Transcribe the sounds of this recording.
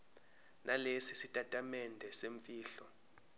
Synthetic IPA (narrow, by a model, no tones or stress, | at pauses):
nʔalesisitʼatʼamɛndʱɛseɱfʼiːɬɔ